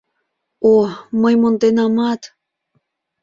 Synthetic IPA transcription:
oməjmont̪enɑmɑt̪

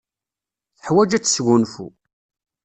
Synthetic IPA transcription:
θəħwæd͡ʒæt͡sːsʝunfṵ

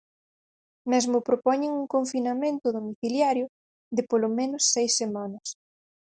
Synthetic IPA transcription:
mɛzmʊpɾopɔɲeŋuŋkoɱfinamẽnt̪ʊðomiθiljaɾjʊ | ðɪpolomẽnʊsːejsːemãnɐs

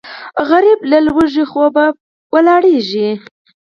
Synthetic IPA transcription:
ɣaɾiblalwəʒixoba | wəlɑɽeʒi

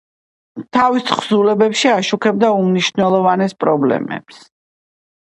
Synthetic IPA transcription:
t̪ʰavisχzulɛbɛpʃiaʃukʰɛb̚d̪aumniʃnɛlˠɔvanɛspʼɾɔblɛ̰mɛ̰ps

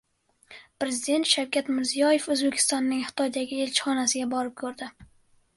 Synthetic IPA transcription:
pɾe̞zɪd̪e̞nt̪ʃawkʲat̪mɪɾzijɒje̞fɵzbe̞kʲʰɪ̥st̪ɒnːɪŋhɪ̥t̪ʰɒjd̪aɡʲɪe̞lt͡ʃʰɪ̥χɒnasɪɡʲabɒɾɪp̚kʰɵɾd̪ɪ

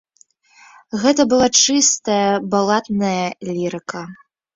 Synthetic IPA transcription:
ɣɛt̪ɐbɨlˠat͡ʂɨst̪ɐjɐbalˠat̪nɐjɐlʲiɾɨkɐ

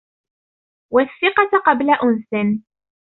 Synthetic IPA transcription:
waθːɪqɑt̪qɑblaʔʊnsɪn

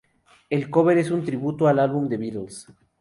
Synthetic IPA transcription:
e̞lko̞βeɾe̞sunt̪ɾiβut̪oalalβumd̪e̞βit̪els

